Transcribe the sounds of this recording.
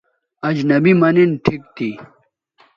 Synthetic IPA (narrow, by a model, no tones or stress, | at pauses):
ɐd͡ʑnɐbimɐninʈʰikt̪ʰi